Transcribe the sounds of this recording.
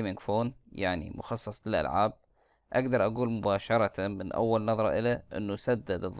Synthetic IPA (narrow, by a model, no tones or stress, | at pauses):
mɪŋɡfoːnjaʕnḭmʊ̰xɑsˤːɑsˤlɪlʔa̰lʕa̰ːb̚ | ʔaɡd̪ɑɾˤʔaɡuːlmʊbaːʃɑɾˤɑt̪amɪnʔa̰wːalnɑðˤɾˤɑʔɪlaʔɪ̰nːusad̪ːad̪ɨðˤ